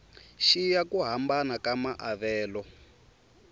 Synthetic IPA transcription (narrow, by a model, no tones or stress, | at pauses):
ʃijakuɦambanakamaʔaβɛːlɔ